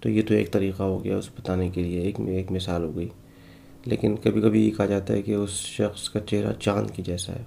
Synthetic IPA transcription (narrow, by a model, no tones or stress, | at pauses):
t̪o̰jet̪oḛːk̚t̪ɐɾiːqaɦoɡɐja̰ʊsebɐt̪aːnekelieːkeːkmɪsaːlɦoːɡəi | lḛːkɪnkɐbʱikɐbʱijekɐɦad͡ʒaːt̪aɦɛ̰keʊsʃɐxskat͡ʃeɦɾa̰t͡ʃaːnkid͡ʒɛːsa̰ɦɛ̰ː